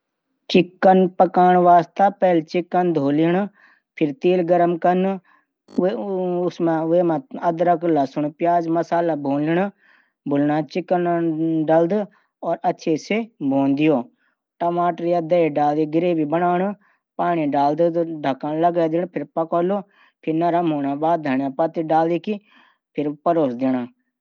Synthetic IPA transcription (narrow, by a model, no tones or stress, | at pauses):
t͡ʃɪkːənpəkaːɳʋaːst̪aːpɛːlt͡ʃɪkːənd̪ʱoːlɪɳ | pʰɪɾt̪eːlɡəɾəmkən | ʊsmãʋeːmãːəd̪ɾəklaːsʊɳpjaːd͡ʒməsaːlaːbʱoːnlɪɳ | bʱʊlnãːt͡ʃɪkːənɖəld̪ | ɔːɾətːʃʰeːseboːnd̪ɪjoː | ʈəmaːʈəɾiad̪əeɖaːld̪iːɡɪɾeːbiːbənaːɳ | paːɳ̃iːɖaːld̪ɖʱəkãːləɡɛːd̪ɪnpʰɪɾpəkoːloː | pʰɪɾnəɾəmɦoːnaːbaːd̪̚əɳjãːpət̪iɖaːld̪iːki | pʰɪɾpəɾoːsd̪ɪnaː